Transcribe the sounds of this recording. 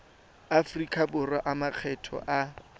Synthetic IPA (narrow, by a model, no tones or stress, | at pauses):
afrikʼʰabʊraʔamak͡xʰɛtʰɔ̰ʔa